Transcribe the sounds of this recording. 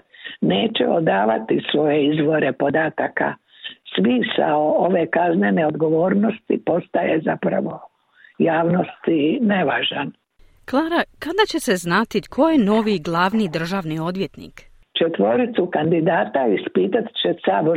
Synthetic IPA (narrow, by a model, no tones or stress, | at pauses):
neːt͡ʃḛo̰d̪aːʋat̪isʋo̞je̞izʋo̞ɾe̞po̞d̪aːt̪aka̰ | sʋisa̰ooʋe̞kaznene̞od̪ɡo̞ʋo̞ːɾno̞st̪ḭpo̞st̪ajezapɾa̰ʋo̞ | jaːʋno̞st̪ineʋaːʒan | klˠaːɾakad̪at͡ɕe̞se̞znat̪ikʰo̞jeno̞ːʋiɡlˠaːʋnid̪r̩ʒaːʋnio̞d̪ʋje̞t̪nḭːk | t͡ʃet̪ʋo̞ɾit̪sukand̪id̪aːt̪aispiːt̪at̪t͡ɕesaːbo